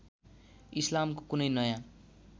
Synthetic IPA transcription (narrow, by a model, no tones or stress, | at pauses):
islamkokunʌjnʌjã